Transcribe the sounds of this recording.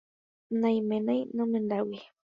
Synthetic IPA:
nãj̃mẽnãjnõmend̪awi

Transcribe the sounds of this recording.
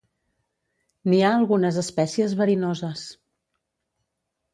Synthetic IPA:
niaəlˠɣunəzəspɛsiəzβəɾinozəs

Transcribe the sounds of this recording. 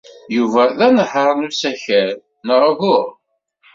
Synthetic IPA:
juvæðænəħəɾˤnusæçəɾ | nəɾˤɣʊʁ

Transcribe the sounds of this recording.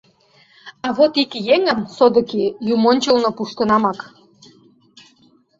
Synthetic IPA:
ɑβot̪ikjeŋəmsod̪ə̆kijumonʲt͡ɕəlnŏpuʃt̪ə̆nɑmɑk

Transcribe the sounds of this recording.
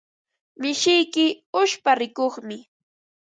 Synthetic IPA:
mɪʃɪjkɪʊʃpaɾɪkoχmɪ

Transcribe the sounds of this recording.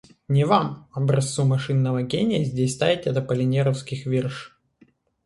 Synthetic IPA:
nʲɪvamɐbɾɐst̪sumɐʂɨnːəvəɡʲenʲɪjəzʲdʲesʲst̪avʲɪtʲɛt̪əpəlʲɪnʲeɾəfskʲɪxvʲerʂ

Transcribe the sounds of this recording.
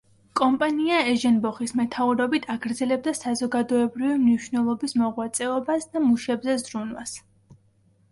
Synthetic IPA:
kʼɔmpʼaniaɛʒɛnbɔχismɛt̪ʰauɾɔbit̪ʰaɡɾd̪zɛlɛb̚d̪asazɔɡad̪ɔɛbɾivimniʃvnɛlˠɔbismɔʁwat̪sʼɛɔbasd̪amuʃɛbzɛzɾunwa̰s

